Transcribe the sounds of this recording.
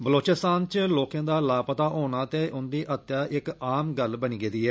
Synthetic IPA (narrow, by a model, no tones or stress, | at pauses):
bəloːt͡ʃɪst̪aːnt͡ʃloːkãːd̪aːlaːpət̪aːɦoːnaːt̪eːʔʊnd̪iːʔət̪ːjaːʔɪkaːmɡəlbəniːɡeːd̪iːɛː